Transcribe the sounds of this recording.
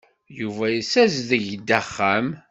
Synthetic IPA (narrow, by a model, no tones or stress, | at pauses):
juvæjəsæzðəʝd̪æχːæm